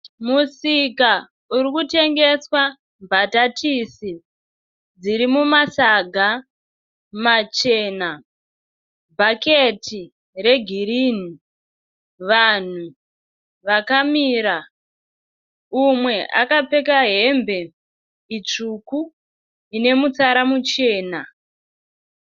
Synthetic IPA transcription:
musika | uɾikute̞ŋɡe̞swa | mbʱatatʰisi | d͡ziɾimumasaɡʱa | mat͡ʃe̞ːna | bʱaketi | re̞ɡʱiɾiːni | ʋan̤u | ʋakamiːɾa | umwe̞ʔa̰kape̞kaɦe̞mbe̞ | it͡ʂuku | ine̞mut͡saɾamut͡ʃe̞ːna

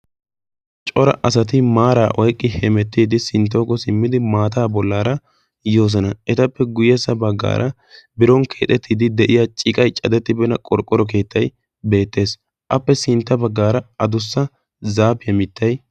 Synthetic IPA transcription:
t͡ʃʼɔɾɐ̰ʔɐsɐt̪ɪmaːɾaːʔɔjkʼːɪhɛmɛt̪ːiːd̪ɪsɪnt̪̬ːoːkːɔsɪmːɪd̪ɪmaːt̪aːbɔlːaːɾɐ | jo̞ːs̬ɔnɐɛt̪ɐpːɛɡʊjɛsːɐbɐɡːa̰ːɾʔɐ | bɪɾɔŋkʰe̞ːt̪ʼɛt̪ʰːiːd̪ɪd̪ɛʔɪjat͡ʃʼɪkʼɐjt͡ʃʼɐd̪ɛt̪ːɪbɛnɐkʼɔɾkʼːɔɾɔk̬e̞ːt̪ːɐj | be̞ːt̪ːe̞ːs | ʔɐpːɛsɪnt̪ːɐbɐɡːaːɾɐɐd̪ʊsːɐ | zaːpːɪjɐmɪt̪ːɐj

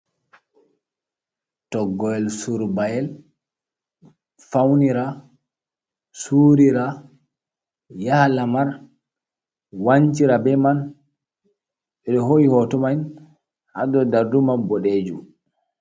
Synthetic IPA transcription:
tɔɡːɔɛlsuɾbajɛl | fawniɾa | suːɾiɾa | jahlamaɾ | waɲt͡ʃiɾabɛman | ɛɗɔɦojihɔtɔmajn | ha̰dɔdaɾdumanbɔɗed͡ʒum

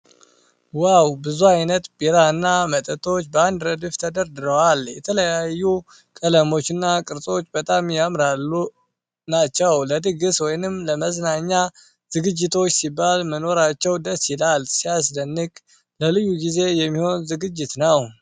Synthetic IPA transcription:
wawbɨzuajnət̪b̥iɾaɨnːamət̪ʼət̪ʰo̞t͡ʃːbəand̪ɾəd̪ɨft̪ʰəd̪əɾd̪ɨɾəwaljɛt̪ʰələjajːu | kʼələmo̞t͡ʃːɪnːakʼɨɾt͡sʼo̞t͡ʃːbət̪ʼamjamɾalːu | nat͡ʃːɛwləd̪ɨɡɨswɔjnɨmləməznaɲːa | zɨɡɨd͡ʒːɪt̪ʰo̞t͡ʃːsibːalməno̞ɾat͡ʃːɛwd̪əsɪlalsijasd̪ənːɨkʼ | ləlɨjːuɡize̞jɛmːiho̞nzɨɡɨd͡ʒːɪt̪nəw

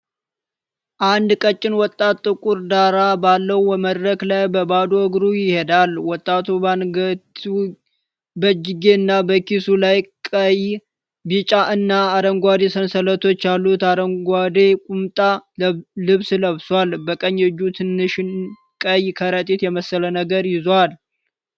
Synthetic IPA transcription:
ʔand̪kʼət͡ʃʼːɪnwɔt̪ʼːat̪ʼːɨkʼuɾd̪aɾabalːəwəməd̪ɾəklajbəbad̪oɡɾujɪhe̞d̪alwɔt̪ʼːat̪ʰu | bəd͡ʒɪɡeɨnːabəkisulajkʼəj | bit͡ʃʼaʔɨnːaːd̪əŋɡʷad̪e̞sənsələt̪ʰo̞t͡ʃːjalːut̪ad̪əŋɡʷad̪e̞kʼumt̪ʼa | lɨβsləβswalbəkʼəɲːɛd͡ʒːut̪ʰɨnːɨʃɪn | kʼəjkʰəɾət̪ʼit̪jɛməsːələnəɡəɾjɪzwal

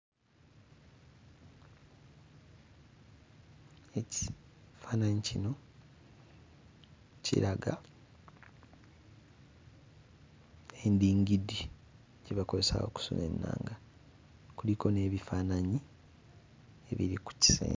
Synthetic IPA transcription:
eci̥faːnaɲicino̞ | cḭɾaɡa | endiːŋɡidi | ɟeβako̞ze̞sa̰o̞̰ku̥so̰me̞̰nːa̰ːŋɡa | kuliko̞ne̞ːβifaːnaɲi | e̞̰βḭɾiku̥ci̥sḛː

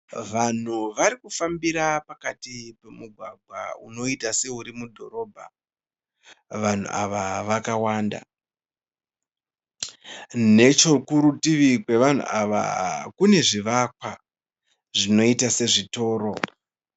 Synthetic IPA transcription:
ʋan̤uʋaɾikufambiɾapakatipe̞muɡʱwaɡʱwa̰ṵno̞itase̞uɾimudʱo̞ɾo̞ːbʱa̰ | ʋan̤ṵʔa̰ʋaʋakawaːnda̰ | ne̞t͡ʃo̞kuɾutiʋikwe̞ʋan̤ṵʔaʋa̰kune̞ʐiʋakwa | ʐino̞itase̞ʐito̞ːɾo̞

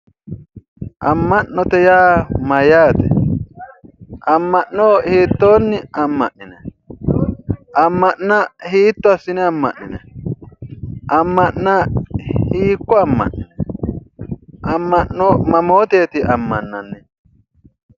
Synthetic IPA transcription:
ʔɐmːɐnːɔt̪ɛjaːmɐjaːt̪ɛ̰ | ʔɐmːɐʔːoːhiːt̪ːoːnːɪɐmːɐʔːɪnɛ | ɐmːɐnːɐhiːt̪ːɔɐsːɪnɛɐmːɐ̰nːɪnɛ | ʔɐmːɐʔnɐhiːkːɔɐmːɐ̰nːɪnɛ | ʔɐmːɐʔːɔmɐmoːt̪e̞ːt̪ɪɐmːɐnːɐnːɛ

